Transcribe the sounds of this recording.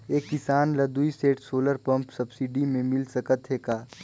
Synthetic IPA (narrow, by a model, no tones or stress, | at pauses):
eːkːɪsaːnlɐd̪uiseːʈsoːləɾpɐ̃mpsɐbsiːɖimẽmɪlsɐkət̪ɦeːkaː